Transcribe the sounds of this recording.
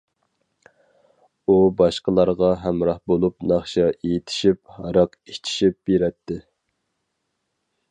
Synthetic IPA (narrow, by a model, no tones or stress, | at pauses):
ubɑʃqəlˠɑɾʁɑɦɛmɾɑhbolˠupnɑχʃɑʔejit̪ʰɪ̥ʃiphɑɾɑqit͡ʃʰi̥ʃip̚beɾɛt̪ʰːɪ